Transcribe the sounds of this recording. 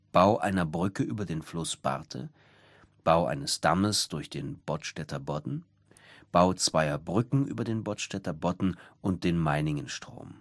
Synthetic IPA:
b̥aʊʔa̰ɪnɐbʁʏkəʔyːbɐdeːnflʊsb̥a̰ʁtʰə̰ | b̥aʊʔa̰ɪnəsd̥a̰məsd̥ʊɐçd̥eːnb̥ɔtʃtɛtʰɐbɔdn̩ | b̥aʊt͡sv̥aɪɐbʁʏkŋ̩ʔy̰ːbɐdeːnbɔtʃtɛtɐbɔdn̩ʔʊnt̚d̥eːnmaɪnɪŋənʃtʁ̥o̰ːm

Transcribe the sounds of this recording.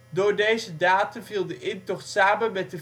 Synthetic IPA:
dʊːɹdejzədaːtənviːlˠdəʔɪntɔχtsaːmənmɛt̚də

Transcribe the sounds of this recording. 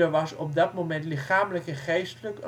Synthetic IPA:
əʋɑsɔp̚dɑtmomɛntlɪχaːmələkɛnχejstələk

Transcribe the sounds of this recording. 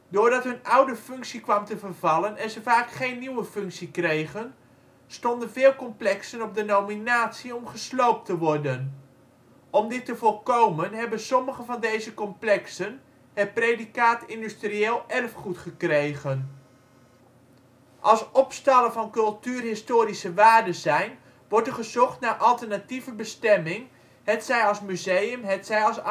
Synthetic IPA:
doːɹdɑtɦɵnʌwdəfɵŋksikʋɑmtəvərvɑlənɛnzəvaːkχejnːiwəfɵŋksikrejχən | stɔndənvɪːlˠkɔmplɛksənɔb̚dənowminaːtsiɔmχəslowp̚təʋɔrdən | ɔmdɪtəvɔlˠkowmənɦɛbənsɔməχəvɑndejzəkɔmplɛksən | ɦɛt̚prejdikaːtɪndystrieːlˠɛrfχutχəkrejχən | ʔɑlˠsɔpstɑləvɑnkɵlˠtyːrɦɪstoːɾisəʋaːɹdəzɛjn | ʋɔɹtəɹχəzɔχtnaːɹʔɑlˠtəɹnativəbəstɛmɪŋ | ɦɛtsɛjɑlˠsmyzejəmɦɛtsɛjɑlˠs

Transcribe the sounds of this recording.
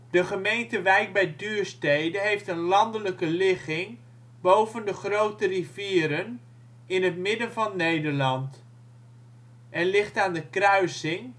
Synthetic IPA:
d̥əχəmejntəʋɛjk̚bɛjdyːɹstejdənɦejftənlɑndələkəlɪχɪŋ | bowvəndəχrowtəriviːɾən | ɪnɦətmɪdənvɑnːejdəɹlɑnt | ʔɛnlɪχtaːndəkrœɥsɪŋ

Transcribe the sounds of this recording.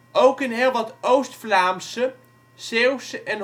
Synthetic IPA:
ʔowkɪnɦeːlˠʋɑtowstflaːmsə | sewsʔɛn

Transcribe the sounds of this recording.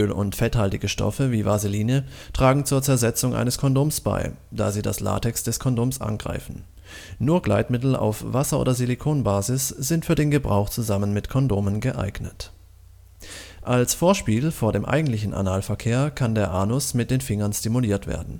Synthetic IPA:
ʔʔøːlʊ̰ntfɛthaltɪɡəʃtɔ̰fəviːvaziliːnətʁ̥aːɡŋ̩t͡suːɐt͡sɛɐzɛt͡sʊŋʔa̰ɪnəskʰɔndoːmsb̥a̰ɪ | d̥a̰ːziːda̰sla̰ːtɛksd̥ɛskʰɔndoːmsʔa̰nɡʁa̰ɪfn̩ | nuːɐɡlaɪtmɪtl̩a̰ʊfv̥asɐʔo̰ːdɐzilikʰoːnbaːzɪsz̥ɪntfyːɐdeːnɡəbʁa̰ʊxt͡suzamənmɪtkʰɔndoːmənɡəʔa̰ɪɡnət | ʔalsfoːɐʃpiːlfoːɐdeːmʔa̰ɪɡŋ̩tlɪçn̩ʔa̰naːlfɛɐkʰeːɐkʰandeːɐʔaːnʊsmɪt̚d̥eːnfɪŋɐnstimuliːɐtv̥ḛːɐdn̩

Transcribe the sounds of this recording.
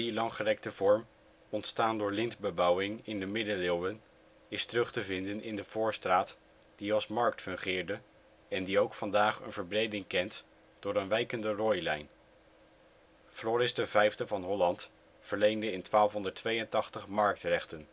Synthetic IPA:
dilɑŋχərɛk̚təvɔɹm | ɔntstaːndʊːɹlɪntbəbɑwɪŋɪndəmɪdəlɪlˠwən | ɪstərɵχtəvɪndənɪndəv̥ʊːɹstraːt | d̥iɑlˠsmɑɹk̚tfɵŋχɪːɹdə | ɛndiowkfɑndaːχə̰nvəɹbrejdɪŋkɛnt | d̥ʊːɾənʋɛjkəndərɔjlɛjn | flɔːɾɪsdəvɛjfdəvɑnɦɔlɑnt | fəɹlejndəɪntʋaːlˠfɦɔndəɹtʋejəntɑχtəχmɑɹk̚trɛχtən

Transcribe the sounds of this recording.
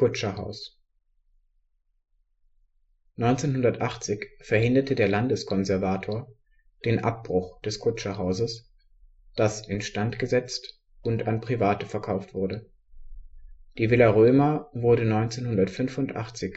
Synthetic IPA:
ʊt͡ʃɐha̰ʊs | nɔʏnt͡seːnɦʊndɐtʔaχt͡sɪçfɛɐhɪndɐtʰədeːɐlandəskʰɔnzɛɐvaːtʰoːɐ | d̥eːnʔa̰p̚b̥ʁʊχd̥ɛskʰʊt͡ʃɐɦaʊzəs | d̥asɪnʃtantɡ̥əzɛt͡st | ʊntanpʁ̥ivaːtəfɛɐkʰaʊftv̥ʊɐdə | d̥iːvɪlɐʁøːmɐvʊɐɾənɔʏnt͡seːnhʊndɐtfʏnfʊntʔa̰χt͡sɪç

